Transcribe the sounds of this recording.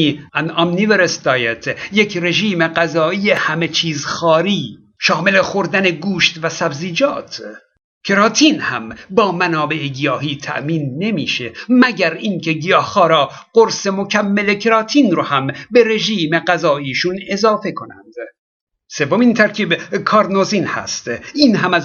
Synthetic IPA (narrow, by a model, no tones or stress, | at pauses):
iænɒmniveɾesd̪ɒːjet̪ʰjekʰɾe̞ʒiːmeɢæzɒːʔiːehæme̞t͡ʃʰiːzxɒːɾiː | ʃɒːme̞lexoɾd̪æne̞ɡuːʃt̪væsæbziːd͡ʒɒːt̪ʰ | kʰeɾɑːt̪ʰiːnhæmbɒːmænɒːbe̞ʔeɡijɒːɦiːt̪ʰæ̰ʔmiːnːe̞mḭːʃemæɟæɾiːŋcʰe̞ɡijɒːhxɒːɾɒːɢ̥oɾse̞mo̞cʰæmːelekʰeɾɒːt̪ʰiːnɾohæmbe̞ɾe̞ʒiːme̞ɢæzɒːiːʃune̞zɒːfe̞kʰo̞næ̰nd̪̥ | se̞vomint̪ʰæɾcʰiːbkʰɒːɾnozinhæ̰st̪iːnɦæmæz